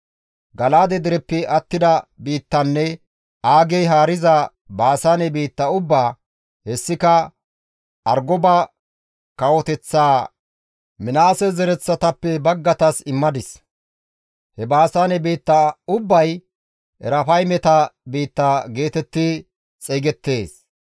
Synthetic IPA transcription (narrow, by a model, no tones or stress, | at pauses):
ɡɐlaːd̪ɛd̪ɪɾɛpːɛɐt̪ːɪd̪ɐbiːt̪ːɐnːɛ | ʔaːɡɛjɦaːɾɪzɐ | baːsanɛbiːt̪ːɐʊbːaː | hɛsːɪkɐ | ɐɾɡɔba | kɐwɔt̪ɛt͡sːaː | mɪnaːsɛzɛɾɛt͡sːɐt̪ɐpːɛbɐɡːɐt̪ɐsɪmːɐd̪ɪs | hɛbaːsanɛbiːt̪ːɐʊbːɐj | ɛɾɐfɐjmɛt̪ɐbiːt̪ːaːɡe̞ːt̪ɛt̪ːɪ | t͡sʼɛɡɛt̪ːe̞ːs